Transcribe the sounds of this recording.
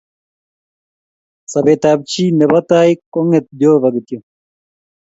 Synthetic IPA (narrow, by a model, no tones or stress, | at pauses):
sɐbet̪aːb̚t͡ɕinebɐt̪aːjkoŋet̪̚d̪joːbɐɡt̪jo